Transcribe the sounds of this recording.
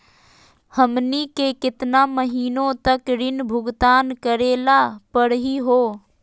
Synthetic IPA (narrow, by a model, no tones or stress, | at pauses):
həmnikekɪt̪naməɦiːnõt̪əkɾɪnbʱʊɡt̪aːnkəɾeːlapəɽɦiɦoː